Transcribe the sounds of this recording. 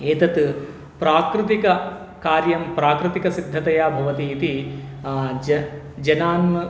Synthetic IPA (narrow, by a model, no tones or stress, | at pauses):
eːt̪ɐt̪ | pɾaːkɾɪt̪ikɐ | kaːɾjɐmpɾaːkɾɪt̪ikɐsid̪ʱːɐt̪ɐjaːbʱɐʋɐt̪iːt̪i | d͡ʒɐnaːnmɐ